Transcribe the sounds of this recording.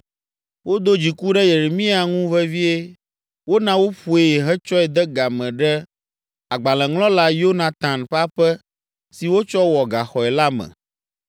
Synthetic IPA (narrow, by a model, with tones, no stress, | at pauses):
wo˦d̪o˦d͡ʑi˨ku˦ɖɛ˦je˨ɾe˨mĩ˦a˨ŋũ˦vɛ˦vi˦e˦ | wo˦nã˨˦wo˦ɸu˨e˨ɦɛ˦t͡ʃɔ˦ɛ˨d̪ɛ˦ɡa˨mɛ̃˨ɖɛ˦ | a˨ɡ͡ba˨lɛ̃˨ŋlɔ̃˦la˦jo˦nã˨t̪ã˨nɸa˦ɸɛ˦ | si˨wo˦t͡ʃɔ˦wɔ˨ɡa˨xɔ˨ɛ˨la˦mɛ̰̃˨